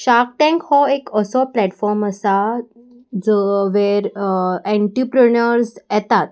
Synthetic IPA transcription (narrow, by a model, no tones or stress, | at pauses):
ɕak̚ʈɛ̃ŋkhɔekəsɔplɛʈfɔɾməsa | d͡zəʋeɾɛ̃ɳʈɾipɾənəɾsɛt̪at̪̚